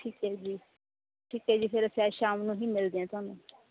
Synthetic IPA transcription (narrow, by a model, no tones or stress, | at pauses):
ʈʰiːkɛːd͡ʒiː | ʈʰiːkɦɛːd͡ʒiːpʰɪɾsaːʃaːmnũːɦiːmɪld̪eːɛ̃ːt̪ʊaːnũː